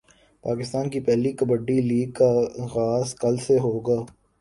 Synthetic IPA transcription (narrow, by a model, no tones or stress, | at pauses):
paːkɪst̪aːnkipɛɦlikɐbəɖːiliːɡ̚kaɣaːskɐlseɦoːɡaː